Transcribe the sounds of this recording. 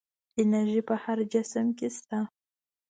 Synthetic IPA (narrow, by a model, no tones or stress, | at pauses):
ɪnaʒipəhaɾd͡ʒɪsəmkʲest̪a